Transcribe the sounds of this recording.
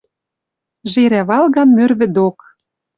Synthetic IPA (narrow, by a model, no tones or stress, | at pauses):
ʒeɾæβɑlɣɑmːørβɘ̆d̪ok